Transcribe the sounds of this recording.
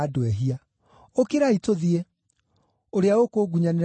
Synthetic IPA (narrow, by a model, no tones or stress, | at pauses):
dwɛɦia | okeɾaitoðie | oɾeaokoɡuɲaneɾ